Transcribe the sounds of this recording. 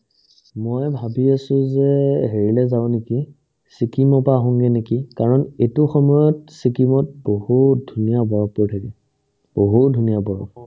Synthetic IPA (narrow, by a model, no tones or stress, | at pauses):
mɔjbʱabiasʊ̃zɛɦeɹilɛzabʊ̃neki | sikimɔpaɦɔŋɡɛnekikaɹɔnetʊxɔmɔjɔtsikimɔt̚bohutdʱunijabɔɹɔkpɔɹtʰakɛ | b̥oɦutdʱunijabɔɹɔk